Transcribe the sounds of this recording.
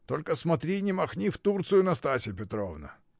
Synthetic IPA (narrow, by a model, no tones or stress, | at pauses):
t̪o̞lʲkəsmɐt̪ɾʲinʲɪmɐxnʲift̪urt̪sɨjʊnɐst̪asʲɪpʲɪt̪ɾo̰vnə̰